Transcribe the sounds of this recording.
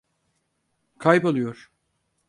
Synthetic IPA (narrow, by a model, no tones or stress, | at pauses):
kʰajpolˠujoɾ̥